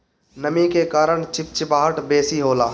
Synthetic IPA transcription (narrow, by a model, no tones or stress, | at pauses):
nɐmĩkekaːɾəɳ̃t͡ʃɪp̚t͡ʃbaːɦəʈbeːsiɦoːlaː